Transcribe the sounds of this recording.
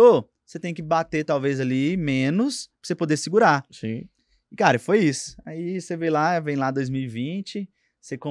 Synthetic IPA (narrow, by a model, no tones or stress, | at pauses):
o | set̪ẽj̃kɪbat̪et̪awvezalimẽnʊsʊɾsepod̪esiɡuɾasĩ | ɪkaɾɐfojisʊ̥aisevejlavẽj̃lad̪ojzmiwivĩt͡ʃɪ | sekõ